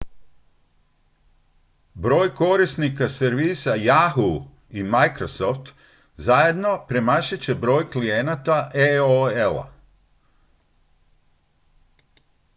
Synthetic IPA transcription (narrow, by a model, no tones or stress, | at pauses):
bɾo̞ːjko̞ɾisnikaseɾʋiːsajaɦu | imajkɾosoft̪ | zaje̞d̪no̞pɾemaʃat͡ɕe̞bɾo̞ːjklijenat̪aʔeoelˠa̰